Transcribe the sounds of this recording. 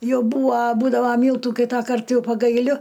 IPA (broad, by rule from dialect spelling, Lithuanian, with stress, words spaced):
ˈjɛʊ ˈbuːʋɐ ˈbuːdɐʋɐ ˈmʲiːlˠtuː ˈkʲiːtɐkɐrt ˈjɛʊ pɐɡɐɪˈlʲʊ